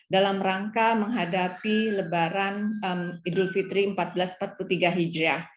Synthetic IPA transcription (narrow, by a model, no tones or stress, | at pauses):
dalamɾaŋkaməŋɦadapiləbaɾanəmidulfit̪ɾiəmpat̪̚bəlaspat̪̚put̪iɡaɦid͡ʒɾa